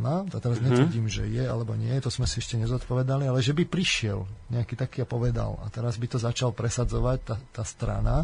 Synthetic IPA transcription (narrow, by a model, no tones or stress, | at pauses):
nat̪t̪ɛɾazɲɛt̪ʋərɟiːmʒɛjɛalɛbɔɲɪɛjɛt̪ɔzmɛsiɛʃcɛɲɛzɔt̪pɔʋɛd̪alialɛʒɛbipɾiʃɪɛ̰lɲɛakiːt̪akiːapɔʋɛd̪a̰la̰t̪ɛɾazbit̪ɔzat͡ʃalpɾɛsad͡zɔʋac̚t̪at̪ːaːst̪ɾa̰na